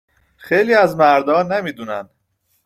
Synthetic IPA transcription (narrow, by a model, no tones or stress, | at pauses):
xejliːæzmæɾd̪ɒːnemiːd̪unæn